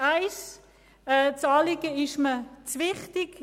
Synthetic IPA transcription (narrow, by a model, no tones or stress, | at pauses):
aɪs | ɛt͡sɑːlɪɡəɪʃmət͡svɪχtɪk